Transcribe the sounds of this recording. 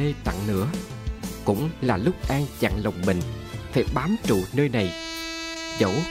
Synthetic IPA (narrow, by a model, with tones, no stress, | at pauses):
e˧t̪a̰˧˨ŋnɨ̰˧˥ə | kʊ̰˧˥ŋ͡mlaː˨˩lʊ˦˥k͡p̚ʔaː˧ŋt͡ɕa̰˧˨ŋlə˨˩wŋ͡mmï˨˩ŋ̟ | faː˧˩˦jɓaː˨˦mt͡ɕṵ˧˨nəː˧jna˨˩j | zo̰˧˩w